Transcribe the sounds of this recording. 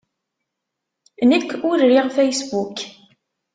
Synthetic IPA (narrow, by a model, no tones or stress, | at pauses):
nəkːʊɾːiʁfæjsbuk